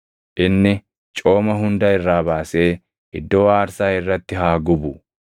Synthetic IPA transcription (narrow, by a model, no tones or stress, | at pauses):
ʔɪnːɪ | t͡ʃʼo̞ːmɐɦʊnd̪ɐɪrːaːbaːse̞ː | ʔɪd̪ːo̞ːaːɾsaːɪrːɐt̪ːɪɦaːɡʊbʊ